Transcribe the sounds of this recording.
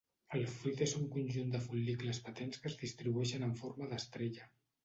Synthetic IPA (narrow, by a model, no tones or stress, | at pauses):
əlˠfɾyt̪ezuŋkunʲʒund̪əfulːikləspət̪enskəzðist̪ɾiβuɛʃənəɱfoɾməðəst̪ɾeʎə